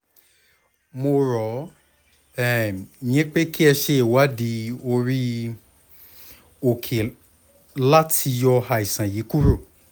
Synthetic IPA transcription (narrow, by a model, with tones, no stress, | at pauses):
mo˧ɾɔ˨˦ | ɛ˦˨j̃ĩ˨˦k͡pe˦ki˦ɛ˧ʃe˧e˨wa˨˦di˧˦o˧ɾi˦ | o˨kʰe˨ | la˦tʰi˧jɔ˧ha˧˨i˨sã˨ji˨˦ku˦ɾo˦˨